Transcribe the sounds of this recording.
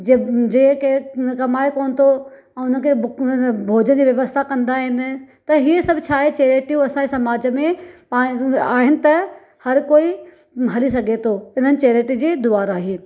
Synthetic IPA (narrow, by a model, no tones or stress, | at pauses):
d͡ʑed͡ʑeːkekɐmaːekoːnɪ̆t̪ʰo | ɛ̃ːʊnəkʰe | bʱoːd͡ʑənd͡ʑiːʋjɐʋəst̪ʰakɐ̃nd̪aɦɪnɪ̆t̪ɐɦiesɐbʱt͡ɕʰaːɦet͡ɕeːɾeːʈijũɐsãɲd͡ʑesɐmaːd͡ʑəmẽpaːaːɦɪnɪ̆t̪ɐ | hɐɾkoːi | ɦɐlisɐɡʱet̪ʰoɪn̤ənɪ̆t͡ɕeːɾeːʈid͡ʑeːd̪ʊaːɾaːɦeː